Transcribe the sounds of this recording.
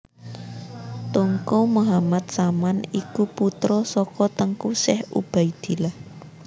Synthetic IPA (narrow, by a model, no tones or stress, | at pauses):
t̪oŋkomuɦamat̪̚samanikuput̪ɾɔsɔkɔt̪əŋkusɛhṵb̥aid̪̥i̤lah